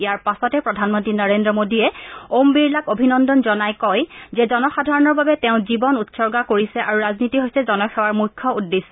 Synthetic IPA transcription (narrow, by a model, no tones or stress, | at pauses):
ijaɹpasɔtɛpɹɔdʱanmontɹinaɹendɹɔmodiɛombiɹlakobʱinɔndɔnzɔnajkɔjzɛzɔnɔxadʱaɹɔnɔɹbabɛtɛʊ̃zibɔnutsɔɹɡakoɹisɛʔaɹuɹaznitiɦojsɛzɔnɔxɛwaɹmujkʰːɔudːesɛ